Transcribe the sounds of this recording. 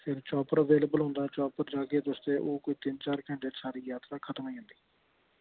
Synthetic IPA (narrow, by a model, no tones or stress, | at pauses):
pʰɪɾt͡ʃɔːpəɾəʋeːleːbəlɦʊ̃nd̪aːt͡ʃɔːpəɾd͡ʒaːkeːt̪ʊst̪eːʔoːkʊiːt̪ɪnt͡ʃaːɾkɛ̃ːɳɖesaːɾiːjaːt̪ɾaːkʰət̪əmĩːɦʊ̃nd̪iː